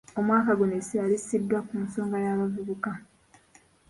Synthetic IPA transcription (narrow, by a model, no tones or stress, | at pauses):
o̞mwaːkaɡunesialisidːwakunso̞ːŋɡajaːβavuβuka